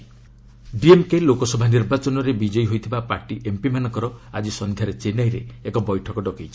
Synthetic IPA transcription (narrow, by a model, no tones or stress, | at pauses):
ɖiemkelokɔsɔbʱaniɾbat͡ʃɔnɔɾebid͡ʒɔjɦojt̪ʰibapaɾʈiʔempimanɔkɔɾɔad͡ʒisɔnd̪ʱjaɾet͡ʃenajɾeːkɔbɔjʈʰɔkɔɖɔkejt͡ʃʰi̥